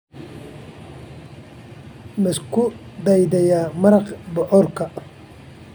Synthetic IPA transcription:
mɪskʰʊd̪ɑjd̪ɛjaːmɐɾɐqbɔʔɔrkʰɐ

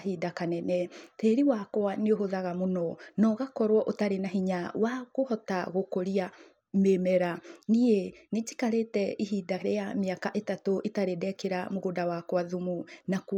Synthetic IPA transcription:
hidakanɛnɛteɾiwakwaneoɦoðaɣamonɔnɔɣakɔɾwɔʔotaɾenaɦiɲawaɣohɔtaɣokoɾia | memɛɾaniened͡ʒi̥kaɾetɛʔiɦidaɾejameakaʔetatoʔitaɾedɛkeɾamoɣodawakwaðumunak

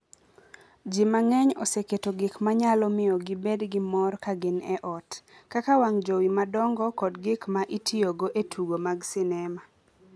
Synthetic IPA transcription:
d͡ʒimaŋɛɲɔseketoɡɪkmaɲalɔmɪɔɡɪbedɡɪmɔrkaɡɪnɛʔɔtkakawaŋd͡ʒowimadɔŋɡɔkɔdɡɪkmaʔitʰioɡoʔetʰuɡomaɡsɪnɛma

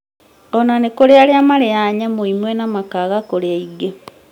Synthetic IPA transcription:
onanekoɾealjamaleaɲamuimwenamakaɣakolaiɡe

